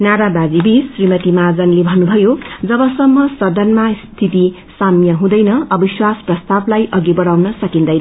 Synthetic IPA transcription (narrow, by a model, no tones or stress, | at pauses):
naɾabad͡zibisrimʌt̪imad͡zʌnlebʱʌnubʱʌjod͡zʌbʌsʌmːʌsʌd̪ʱʌnmast̪ʰit̪i | samjʌɦũd̪ʌjnʌʌbiswasprʌst̪ablajʔʌɡibʌɽawnʌsʌkind̪ʌj